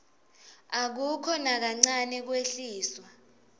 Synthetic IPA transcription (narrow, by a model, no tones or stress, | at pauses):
ak̬ukʰɔnak̬aŋ͡ǀanɛk̬weɬiːswa